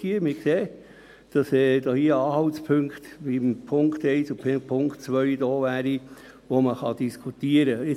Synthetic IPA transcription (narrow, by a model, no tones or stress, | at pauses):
iəɾmɪkseː | d̥ɑsɛd̥oːhiəɑːɦɑwtspʰʏŋkt̪ʋimpʰʊŋkt̪ɛɪsʊpʰpʰʊŋkt͡sʋœʏdɔːʋæːɾi | ʋoməχɑd̥iskʰutiəɾəɪ